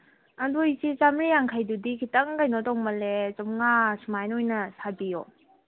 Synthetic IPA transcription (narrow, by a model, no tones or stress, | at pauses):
ɐndojsit͡ʃamɾijaŋkʰajdudikʰitɐŋkajnɔtɔŋmɐlet͡ʃɔmŋasumajnojnɐsabijo̰